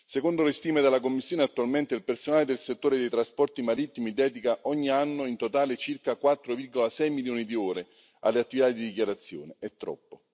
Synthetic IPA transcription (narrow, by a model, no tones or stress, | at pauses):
sekond̪olest̪iːmed̪elːakomːisːjoːneat̪ːualment̪eilpersonaːled̪elset̪ːoːɾed̪ejt̪ɾaspɔrt̪imaɾit̪ːimid̪ɛːd̪ikaʔɔɲːianːoint̪ot̪aːlet͡ʃirkakwat̪ːɾovirɡolasɛjmiljoːnid̪ioːɾe | a̰lːeat̪ːivit̪ad̪id̪ik̬ʲjaɾat̪sːjo̰ːneɛt̪ːɾɔ̰pːo